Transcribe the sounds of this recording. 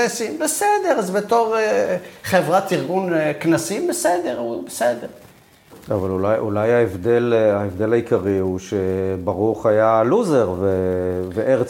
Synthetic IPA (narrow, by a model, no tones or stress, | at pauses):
esimbesed̪e̞ʁazbet̪o̞ʁeχevʁat̪iʁɡunknasimbesed̪eʁubesed̪eʁ | avalulajʔulajaevd̪elaevd̪e̞lajikaʁiuʃebaʁuχajaluzeʁveveʔeʁ